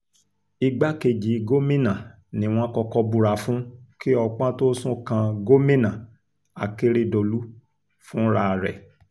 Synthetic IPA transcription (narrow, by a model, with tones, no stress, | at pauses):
i˧ɡ͡ba˦ke˧d͡ʒi˨˦ɡo˦mĩ˦nã˨ | nĩ˨w̃ɔ̃˦kɔ˧kɔ˧bu˧ɾa˨fũ˦ki˦ɔ˧k͡pã˦to˦sũ˦kã˧ɡo˦mĩ˦nã˨ | a̰˨ke˦ɾe˦do˨lu˦ | fũ˦ɾa˧˨ɾɛ̰˨